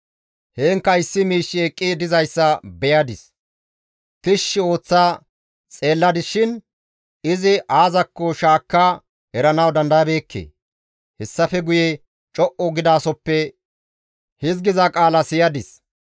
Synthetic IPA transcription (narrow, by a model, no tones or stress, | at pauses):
heːŋkːɐɪsːɪmiːʃːɪekʼːɪd̪ɪzɐjsːɐbɛjɐd̪ɪs | t̪ɪʃːɪo̞ːt͡sːaː | t͡sʼe̞ːlːɐd̪ɪʃɪn | ɪzɪʔaːzɐkːɔʃaːkːaː | hɛɾɐnɐwd̪ɐnd̪ɐjɐbeːkʰːḛː | hɛsːɐfɛɡʊjɛ | t͡ʃʼɔʔɔɡɪd̪aːsɔpːɛ | hɪzɡɪzɐkʼaːlɐsɪjɐd̪ɪs